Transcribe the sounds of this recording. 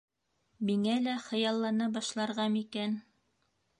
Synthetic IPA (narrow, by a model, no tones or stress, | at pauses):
miŋælæχɤ̆jɑlˠːɑnɑbɑʃlˠɑɾʁɑmikæn